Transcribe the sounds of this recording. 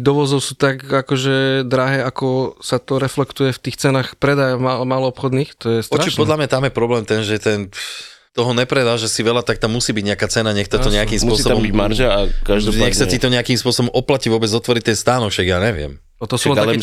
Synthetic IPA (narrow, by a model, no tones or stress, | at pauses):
d̪ɔʋɔzɔʊsuːt̪aɡakɔʒɛd̪ɾaɦɛːakɔsat̪ɔɾɛflɛkt̪ujɛft̪iːxt͡sɛnaːxpɾɛd̪ajamamaːlɔɔpxɔd̪niːxt̪ɔjɛst̪ɔɾat͡ʃipɔd̪lamɲat̪amjɛpɾɔblɛːmt̪ɛnʒɛt̪ɛn | t̪ɔɦɔɲɛpɾɛd̪aːʒɛsiʋɛlat̪ak̚t̪amːusiːbiɟɲɛakat͡sɛnaɲɛxt̪aɔɲɛakiːmsʊɔisɔabɔmbimaɾʒaakaʒd̪ɔɲɛxsait̪ɔɲɛakiːmspʊɔsɔbɔmʔɔplaciʋʊɔbɛd͡zɔt̪ʋɔɾit̪ɛnst̪aːnɔkʃaɡjaːɲɛʋɪɛ̰m | ɔt̪ɔsuanaɛ